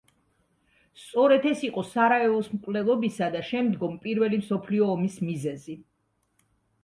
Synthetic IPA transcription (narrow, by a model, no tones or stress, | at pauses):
st̪sʼɔɾɛd̪ɛsiqʼɔsaɾaɛɔsmkʼvlɛlˠɔbisad̪aʃɛmd̪ɡɔmpʼiɾvɛlimsɔpʰliɔːmismizɛzi